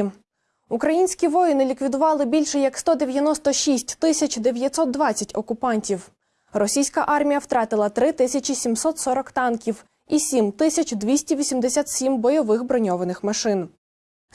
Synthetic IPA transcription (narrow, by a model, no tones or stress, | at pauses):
ukɾɐjinʲsʲkʲiʋɔjɪnɪlʲikʋʲid̪ʊʋɑlˠɪbʲilʲʃɛjɐkst̪ɔd̪e̞ʋʲjɐnɔst̪ɔʃisʲtʲt̪ɪsʲɐt͡ʃd̪eʋʲjɐt̪ʲsɔt̪̚d̪ʋɑtt͡sʲːɐtʲɔkʊpɑnʲtʲiw | rɔsʲijsʲkɐʔɑrmʲijɐwt̪ɾɑt̪ɪlˠɐt̪ɾɪt̪ɪsʲɐt͡ʃisʲimsɔt̪sɔɾɔkt̪ɑnkʲiw | isʲimt̪ɪsʲɐt͡ʃd̪ʋʲisʲtʲiʋʲisʲimd̪esʲat̪sʲimbɔjɔʋɪxbɾɔnʲɔʋɐnɪxmɐʃɪn